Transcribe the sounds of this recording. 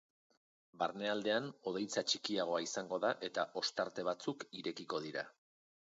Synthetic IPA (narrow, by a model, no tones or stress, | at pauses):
baɾne̞ald̪e̞ano̞ð̞e̞jt͡sat͡ʃikiaɣ̞o̞aisaŋɡo̞ðaʔe̞t̪aʔo̞st̪aɾt̪e̞β̞at͡sukiɾe̞kiko̞ð̞iɾa